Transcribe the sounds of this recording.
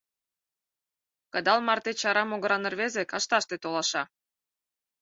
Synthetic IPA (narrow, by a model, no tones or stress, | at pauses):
kə̆d̪ɑlmɑrt̪et͡ɕɑɾɑmoɣəɾɑnə̆rβezekɑʃt̪ɑʃt̪et̪olɑʃɑ